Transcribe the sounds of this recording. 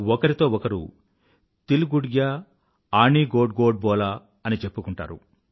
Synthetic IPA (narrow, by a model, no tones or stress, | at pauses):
ɔkɐɾit̪o̞ːɔkɐɾṵ | t̪iluɡuɽɡja | aːɳiːɡoːɖɡoːɖ̚bɔːlaː | ɐnit͡ʃe̞pːukuɳʈa̰ːɾu